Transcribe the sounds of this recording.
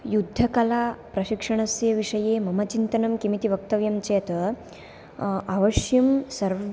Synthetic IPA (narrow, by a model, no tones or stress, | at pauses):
jud̪ʱːɐkɐlapɾɐɕikʂɐɳ̃ɐsjɐʋiʂɐjeːmɐmɐt͡ʃint̪ɐnɐmkimit̪iʋɐk̚t̪ɐʋjɐmt͡ʃeːt̪ɐ | aʋɐʂjɐmsɐɾʋ